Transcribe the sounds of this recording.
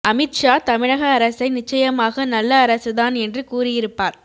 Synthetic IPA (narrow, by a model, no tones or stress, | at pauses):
ʔɐmɪʈʂaːt̪ɐmɪɻɐɣɐːɾɐsɐɪnɪt͡ʃːɐjɐmaːɣɐnɐlːɐːɾɐsɯðaːnɛndrɯkuːrɪjɪɾɯpːaːɾ